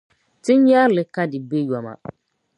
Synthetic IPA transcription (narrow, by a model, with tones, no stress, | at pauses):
tɪ˦n˦ɲa˦ɾlɪ˨ka˦dɪ˨be˦jɔ˨ma̰˨